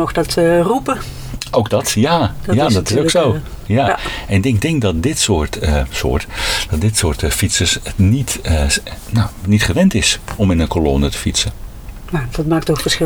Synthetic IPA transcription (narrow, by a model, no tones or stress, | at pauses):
nɔxdɑtrupə | owɡ̚dɑtjaːjadɑtɪsowksow | jaɛnɪɡ̚dɛŋkdɑt̚dɪtsʊːɹtəsʊ̰ːɹtd̥ɑt̚dɪtsʊːɹtfitsəsnit | nanitχəʋɛntɪsɔmɪnənkolɔnətə̥fitsə | madɑtmaːk̚tɔxfəsxɪ